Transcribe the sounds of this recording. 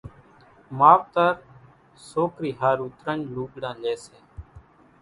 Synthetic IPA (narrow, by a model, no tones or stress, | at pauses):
maːʋt̪aːɾ | soːkɾiːɦaːɾuːt̪ɾə̃nluːkɽãːleːseː